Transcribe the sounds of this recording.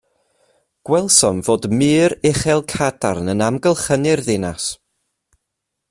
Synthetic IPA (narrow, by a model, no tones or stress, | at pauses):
ɡ̥wɛlˠsɔnvoːdmɨːɾɛχɛlˠkʰada̰rnənamɡəlˠχənɪrðɪnas